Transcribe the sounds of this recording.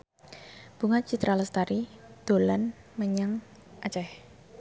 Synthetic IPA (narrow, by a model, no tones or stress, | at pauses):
b̥uŋat͡ʃit̪ɾaləst̪aɾid̪̥o̤lan | məɲaŋ | ʔat͡ʃɛh